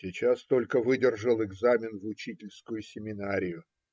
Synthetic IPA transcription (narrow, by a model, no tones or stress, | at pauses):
sʲɪt͡ɕast̪o̞lʲkəvɨdʲɪrʐəlˠɪɡzamʲɪnvʊt͡ɕitʲɪlʲskʊjʊsʲɪmʲɪnaɾʲɪjʊ